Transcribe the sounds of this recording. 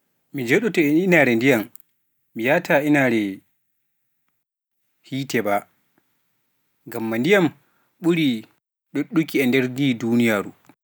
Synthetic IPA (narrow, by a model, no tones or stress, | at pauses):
mid͡ʒɔɗɔtɔɛninaɾɛndijamː | ijaːtʰainaɾɛ | hiːtɛba | ŋɡamːandijam | ɓuɾi | ɗoɗːukiɛndɛɾdidunijaːɾu